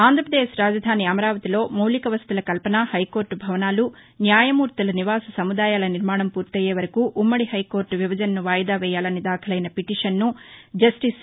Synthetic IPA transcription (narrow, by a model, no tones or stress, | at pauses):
aːnd̪ɾɐpɐd̪eːʃɾaːd͡ʒɐd̪ʱaːniɐmɐɾaːʋɐt̪ilo̞ːmɐwlikɐʋɐst̪ulɐkɐlpɐnahɐjko̞ːɾʈbʱɐʋɐnaːlu | njaːjɐmuːɾt̪ɐlɐniʋaːsɐsɐmud̪aːjaːlɐniɾmaːɳɐmpuːɾt̪ɐjeːʋɐɾɐkuʔːmːɐɽiɦɐjko̞ːɾʈʋiʋɐd͡ʒɐnɐnuʋaːjɐd̪aːʋɛːjaːlɐnid̪aːkʰɐlɐjnɐpiʈiːʂɐnːud͡ʒɐsʈis